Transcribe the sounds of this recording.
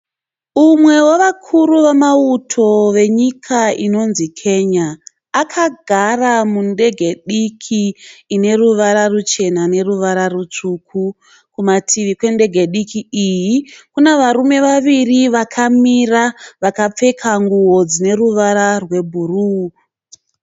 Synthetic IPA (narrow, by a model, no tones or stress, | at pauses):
umwe̞woʋakʰuɾuʋamautʰo̞ʋe̞ɲikʰaino̞nzikʰe̞ːɲaː | kʰaɡʱaramunde̞ɡʱe̞ɗikʰiːne̞ruʋaɾarut͡ʃe̞nane̞ruʋaɾarut͡ʂukʰu | kumatʰiʋikwe̞nde̞ɡʱe̞ɗikiijikune̞ʋaɾume̞ʋaʋiriʋakʰamiraʋakap͡fe̞kʰaŋɡuwo̞d͡zine̞ruʋaɾarwe̞bʱuru